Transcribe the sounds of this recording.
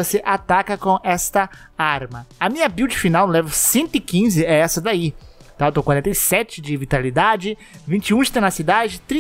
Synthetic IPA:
oseʔat̪akɐkõʔɛst̪ɐ | aɾmɐɐmĩɲɐbiwd͡ʒɪfinawlɛvɐsẽnt̪ʊɪkĩzɪɛɛsɐd̪ai | t̪ãt̪õkwaɾẽnt̪ɐjsɛt͡ʃɪd͡ʒɪvit̪alid̪ad͡ʒɪ | vĩnt͡ʃɪũɪst̪ɐnɐsid̪ad͡ʒɪt̪ɾĩ

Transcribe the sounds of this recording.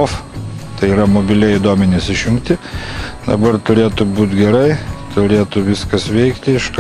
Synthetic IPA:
oft̪ɐɪiɾɐmoːbʲɪlʲɛid̪oːmʲɛnʲɪsɪʃʲjʊŋkt̪ʲɪd̪ɐ̰bɐrt̪ʊɾʲeːt̪ʊbuːt̪ɡʲɛɾɐɪt̪ʊɾʲeːt̪ʊʋʲɪskɐsʋʲɛɪkt̪ʲɪɪʃk

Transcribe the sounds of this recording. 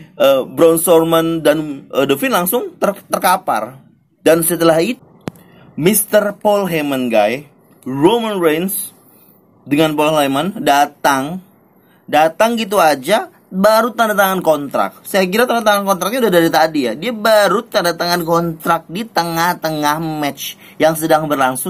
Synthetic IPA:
ʔəbɾɔnsɔrmandanədəfɪnlaŋsʊŋt̪ət̪ərkapa̰r | dansət̪əlaɦi | mist̪ərpɔlɦemənɡa̰j | romənrens | dəŋanpɔllamandat̪aŋ | dat̪aŋɡit̪̬uad͡ʒa | baɾut̪andat̪aŋankɔnt̪ɾa̰k̚sajak̬iɾat̪andat̪aŋankɔnt̪ɾak̚ɲaudahdaɾit̪adijadiabaɾut̪andat̪aŋankɔnt̪ɾak̚dit̪əŋaht̪əŋahmɛt͡ʃ | jaŋsədaŋbərlaŋsʊ

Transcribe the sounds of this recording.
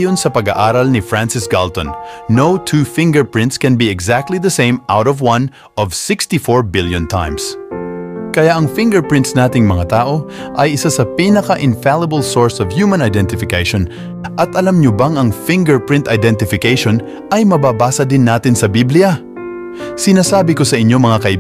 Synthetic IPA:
jonsɐpɐɡa̰ʔaːɾɐlnɪfɹãnsɪsɡalt̪ɔ̃nːowt̪ʰuːfɪ̃ŋɡɛɹpɹɪ̃nt̪skɛ̃nbiɛɡzak̚t̪liðɐsẽjmawɾɔvwɐ̃n | ɔvsɪkst̪ifɔɹbɪljɔ̃nt̪ʰã̰jms | kɐjaʔɐŋfɪ̃ŋɡɛɹpɹɪ̃nt̪snaːt̪ɪŋmɐŋat̪aːʔo̞ | ʔɐjɪsasɐpiːnɐkɐʔɪnfalɐbɐlsoɹsɔvhuːmɐ̃nɐjd̪ɛ̃nt̪ɪfɪkejʃõn | ʔɐt̪ʔɐlamɲobaŋɐŋfɪ̃ŋɡɛɹpɹɪ̃nt̪ɐjd̪ɛ̃nt̪ɪfɪkejʃon | ʔɐjmɐbaːbaːsɐd̪ɪnːaːt̪ɪnsɐbiblɪjɐ | sɪnaːsaːbɪkosɐʔɪɲːo̞mɐŋakɐʔɪ

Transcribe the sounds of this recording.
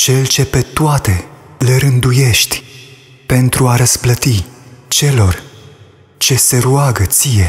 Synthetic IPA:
t͡ʃe̞lt͡ʃe̞pe̞t̪oat̪e̞lɾɨnd̪uje̞ʃt̪ʲ | pe̞nt̪ɾuaɾəz̥plət̪it͡ʃe̞lo̞r | t͡ʃe̞se̞ɾuaɡət̪sije̞

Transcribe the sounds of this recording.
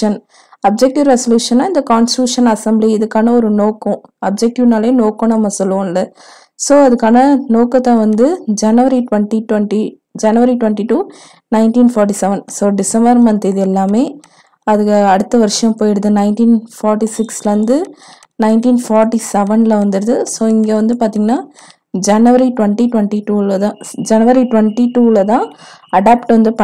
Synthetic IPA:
ɐn | ɐb̚d͡ʒɛk̚ʈɪɾɛsɔljuːʂɐnːaːɪnd̪ɐkaːnsʈɾuːʂɐnɐsɐmbliɪðɯkːaːnɐɔɾɯnoːkːʊ̃ɐb̚d͡ʒɛk̚ʈɪʋnaːlɐeːnoːkːõnɐmːɐsɔlːɯʋõɪlːɐ | soːɐðɯkːaːnɐnoːkːɐt̪ːãːʋɐnd̪ɯd͡ʒɐnɯʋɐɾiʈʋɐɳʈiʈʋɐɳʈi | d͡ʒɐnɯʋɐɾiʈʋɐɳʈiʈuː | nɐɪnʈiːnfaːɾʈ̬isɛʋɐnsoːɖɪsɐmbɐɾmɐnt̪eðɯɛlːaːmeː | ɐðɯkːɐɽɯt̪ːɐʋɐɾɪʂɐɐ̃mpoːjɪɽɯðɯnɐɪnʈiːnfaːɾʈisɪkslɐʋɐnd̪ɯ | nɐɪʈiːnfaːɾʈisɛʋɐnlɐʋɐnd̪ɯɾɐðɯsoːɪŋɡeːʋɐnd̪ɯpaːɾt̪iːŋɡɐnaː | d͡ʒɐnɯʋɐɾiʈʋɐɳʈiʈʋɐɳʈiʈuːlɐt̪ãːd͡ʒɐnɯʋɐɾiʈʋɐɳʈiʈuːlɐt̪ãːɐɽaːpʈʋɐnd̪ɯpɐ

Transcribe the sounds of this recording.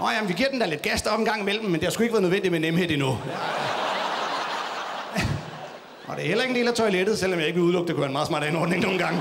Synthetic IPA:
ʔɒjæmnʋiɡ̥iɐ̰̥end̥æɐled̥̚ɡ̥æsd̥ɒ̽b̥enɡ̥ɑ̈ŋ̰imel̰mm̩ːend̥e̝hɑ̈sɡ̥ueɡ̥ʋæɐð̩ˠnøʋend̥imenemhe̝ð̩̰ˠinu | ʔɒ̽d̥e̝æɐhelɐeɡ̥n̩d̥e̝̰ːlæt͡sʰɒ̽ɪleɾ̥ð̞̩ˠsel̰ɒmjɑ̈e̝ɡ̥b̥euð̩ˠlɔ̽ɡ̥̚d̥ekuʋæɐenmɑ̈ːð̩smɑ̰̈ːɾ̥æn̩ɒːd̥ne̝ŋno̝ːn̩ɡ̥ɑ̈ŋ̰

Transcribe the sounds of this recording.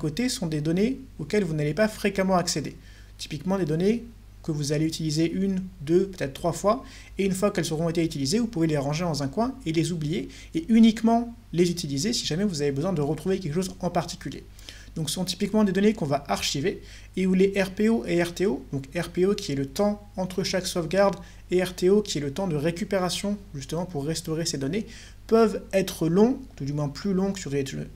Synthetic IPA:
kot̪esɔ̃d̪ed̪ɔneokʲɛlvunalepafχekamɑ̃aksed̪ḛ | t̪i̥pikmɑ̃d̪ed̪ɔne | kəvuzaleyt̪ilizeʔynd̪øpøt̪ɛt̪χt̪ːχwafwa | eynfwakɛlsəʁɔ̃et̪eyt̪ilizevupuveleʁɑ̃ʒed̪ɑ̃zɛ̃kwɛ̃elezublije | eʔynikmɑ̃ | lezyt̪ilizesiʒamɛvuzavebəzwɛ̃d̪əʁət̪χuvekʲɛlkəʃozɑ̃paʁt̪i̥kʲyljḛ | d̪̥ɔ̃ksɔ̃t̪i̥pikmɑ̃d̪ed̪ɔnekɔ̃vaʔaʁʃive | euleʔɛʁpeoʔeɛʁt̪eod̪ɔ̃kɛʁpeokʲiɛlət̪ɑ̃ | ɑ̃t̪χəʃaksofɡaʁd̪ | eɛʁt̪eokʲiɛlət̪ɑ̃d̪əʁekʲypeʁasjɔ̃ʒyst̪əmɑ̃puʁːɛst̪ɔʁesed̪ɔne | pœvɛt̪χəlɔ̃ud̪ymwɛ̃plylɔ̃syʁd̪e

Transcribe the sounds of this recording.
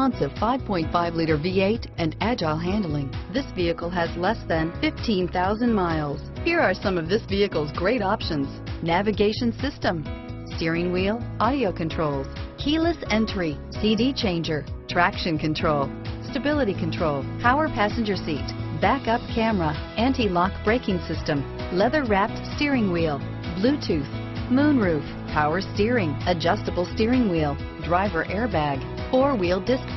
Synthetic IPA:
ɑ̃ntsʌv̥faɪv̥pʰɔ̃ɪ̃ntfaɪvliɾə˞vieɪɾ | ɨ̃næd͡ʒaɪlˠɦæ̃ndˡl̩ˠɪ̃ŋðɪsviɨkl̩ˠɨzlɛsðɨ̃nfɪftʰĩnθaʊzɨ̃nmaɪlˠz̥hiɹə˞sʌ̃mʌvðɪsviɨkl̩ˠzɡɹeɪɾɑpʃɨ̃nz̥nævɨɡeɪʃɨ̃nsɪstə̃mstɪɹɪ̃ŋwilˠʔɑɾioʊkʰɨ̃ntʰɹ̥oʊlˠz̥kʰilˠəsɛ̃ntɹ̥i | sidit͡ʃʰẽɪ̃nd͡ʒə˞tʰɹ̥ækʃɨ̃nkʰɨ̃ntʰɹ̥oʊlˠ | stɨbɪlˠəɾikʰɨ̃n̩tʰɹ̥oʊlˠpʰaʊə˞pʰæsɨ̃nd͡ʒə˞sitb̥ækʌp̚kʰæ̃məɹəʔæ̃ntilɑkb̥ɹeɪkɪ̃ŋsɪstɨ̃m | lɛðə˞ɹæp̚tstɪɹɪ̃ŋwilˠ | blʉtʰʉθ | mũnɹʉf | pʰaʊə˞stɪɹɪ̃ŋɨd͡ʒʌstəbl̩ˠstɪɹɪ̃ŋwilˠ | dɹaɪvə˞ʔɛɹbæɡ | ɔɹwilˠdɪsk

